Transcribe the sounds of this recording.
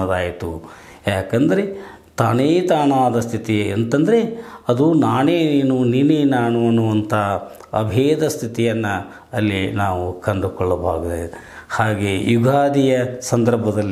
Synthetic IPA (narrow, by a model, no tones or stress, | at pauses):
ɐd̪aːjit̪u | jaːkɐnd̪ɐɾe̞ | t̪aːneːt̪aːɳaːd̪ɐst̪ʰit̪ient̪ɐnd̪ɐɾeɐd̪unaːneːneːnunineːnaːɳuʋɐnːuʋɐnt̪ʰɐ | ɐ̰bʱeːd̪ɐst̪ʰit̪ijɐnːɐ | ɐlːinaːʋukɐɳɖukɔɭːɐbʱaːɡud̪ḛ | haːɡeːjuɡʱaːd̪ijɐsɐnd̪ɐɾbʱɐd̪ɐlː